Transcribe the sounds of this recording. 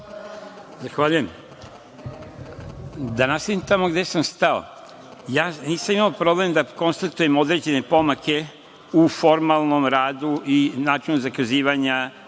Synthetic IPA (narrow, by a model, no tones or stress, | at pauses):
zaxʋaːʎujem | d̪anast̪ad̪imt̪amo̞ɡd̪e̞samst̪ao̰ | jaːniːsamimaopɾo̞ble̞md̪ako̞nst̪at̪uje̞mo̞d̪ɾe̞ːd͡ʑe̞ne̞po̞make̞ | ufo̞ɾmalˠno̞mɾaːd̪uinaːt͡ʃinuzakaziːʋaɲa